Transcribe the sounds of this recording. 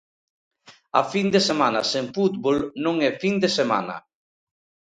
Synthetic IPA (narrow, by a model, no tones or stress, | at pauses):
a̰find̪esemanaseɱfut̪βolnõŋɛfind̪esema̰nɐ̰